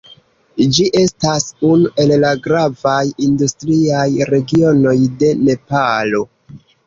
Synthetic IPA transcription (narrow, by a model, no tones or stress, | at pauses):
d͡ʒiʔe̞stasunuʔe̞llaɡɾavajindustɾiajɾe̞ɡio̞no̞jde̞ne̞palo̞